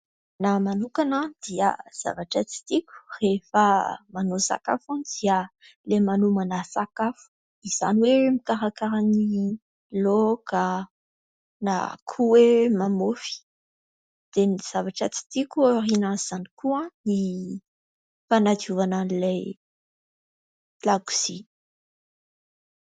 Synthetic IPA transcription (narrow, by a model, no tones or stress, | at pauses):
namanukanad̪̥iə̰z̥a̰vaʈ͡ʂət͡si̥t̪ikʲu̥refəmanosa̰kafanid̪̥iə | lemanumanasakafu̥ | iz̥a̰niwemikaɾakaɾani | loɡ̥a | na̰kʰuwemamofi̥ | d̪̥eniz̥avaʈ͡ʂat͡si̥t̪ikuorinaz̥anikuãni | fanad͡ʒuvananilaj | laɡu̥z̥i